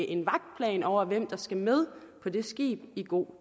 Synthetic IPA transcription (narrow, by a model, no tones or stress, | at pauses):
ʔe̝nʋɑ̈ɡ̥̚d̥̚pʰlɛ̰ːnɒʊ̰ɐʋem̰d̥ɑ̈sɡ̥æmeðˠpʰɒ̽d̥e̝sɡ̥ḭːb̥iɡ̥o̝̰ː